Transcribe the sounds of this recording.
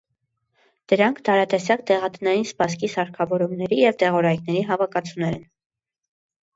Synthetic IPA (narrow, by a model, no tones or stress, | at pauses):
d̪̥əɾɑŋkʰd̪ɑɾɑt̪ɛsjɑkt̪ɛʁɑt̪ənɑjinspɑs̬kisɑɾkʰɑvɔɾumnɛɾijɛvt̪ɛʁɔɾɑjknɛɾiɦɑvɑkɑt͡sʰunɛɾɛn